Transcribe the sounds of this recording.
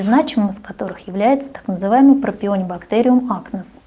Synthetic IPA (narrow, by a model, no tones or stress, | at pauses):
znat͡ɕɪmɨmɨskɐt̪o̞ɾɨxjɪvlʲæjɪt̪sə̥t̪ḁknəzɨvajɪmɨjpɾəpʲɪo̞nʲɪbɐkt̪eɾʲɪʊmaknəs